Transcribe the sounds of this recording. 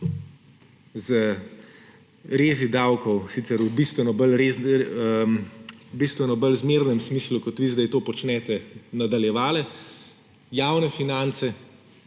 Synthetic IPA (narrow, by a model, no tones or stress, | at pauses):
zə | ɾeːzid̪awkɔwsit̪sɛɾubist̪ʋɛnɔbəlɾe | bist̪ʋɛnɔbəlzmeɾnɛmsmiːslukɔt̪ʋiːzd̪ajt̪oːpɔt͡ʃnɛt̪ɛnad̪aljɛʋaːlɛ | jaːwnɛfinant̪sɛ